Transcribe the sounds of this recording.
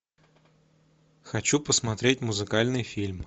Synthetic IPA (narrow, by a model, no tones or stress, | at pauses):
xɐt͡ɕupəsmɐt̪ɾʲet̚ʲmʊzɨkalʲnɨjfʲilʲm